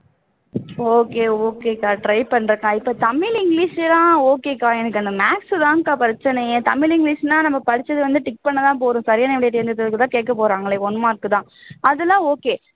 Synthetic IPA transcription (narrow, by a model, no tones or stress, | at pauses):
oːkeːoːkeːkaːʈɾɐɪpɐɳːɾɯkːãːɪpːoːt̪ɐmɪlɪŋɡlɪʂlãːoːkeːkːaːɛnɯkːɐnɯmaːksðãːkaːpɾɐt͡ʃːɐnɐjẽt̪ɐmɪlɪŋɡliːʂnaːnɐmːɐpɐɽɪt͡ʃːɐðɯʋɐnd̪ɯʈɪk̚ːpɐɳːɐt̪ãːp̬oːɾũːsɐɾɪjaːnɐʋɪɽɐjʈːɪɾɯnd̪ɐt̪ːɐlɯkːɯt̪ãːkeːʈ̚kːɐp̬oːɾaːŋɡɐɭeːɔnːmaːɾɯkːɯt̪ãːɐðɯlːãːoːkeː